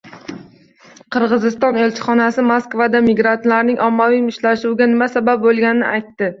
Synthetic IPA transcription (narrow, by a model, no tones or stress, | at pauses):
qʰɨɾʁɨzɪst̪ɒne̞lt͡ʃʰɪ̥χɒnasɪmoskvad̪amiɡɾant̪laɾnɪŋʔɒmːavijmɪʃlaʃuɡʲanɪmasabap̚bolˠɡʲanɪnɪ̰ʔajt̪ːɪ